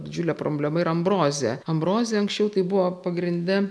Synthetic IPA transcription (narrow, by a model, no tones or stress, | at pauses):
d̪ʲɪd͡ʒʲʊlʲɛːpɾoːbʲlʲɛmɐɪɾɐɐmbɾoːzʲḛːɐmbɾoːzʲeːɐŋksʲt͡ʃʲɛʊt̪ɐɪbʊʋoːpɐɡɾʲɪnʲd̪ʲɛ